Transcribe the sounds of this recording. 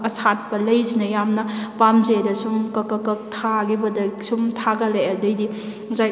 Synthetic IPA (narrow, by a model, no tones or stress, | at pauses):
ɐsʰat̚pɐlɐjzinɐjamnɐpamzedɐsumkɐkɐkɐk̚tʰaɡibɐdɐsumtʰaɡɐlejɐdɐjdi | zaj